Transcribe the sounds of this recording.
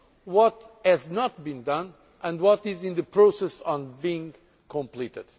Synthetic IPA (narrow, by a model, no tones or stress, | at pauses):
wɔthɛznɔt̪̚bĩndʌ̃n | ʔɨ̃ndwɔtɪzɪ̃nðɨpɹosɛsɔ̃nbiɪ̃ŋ | kʰɔ̃mplit̪ɨ̰d̪̥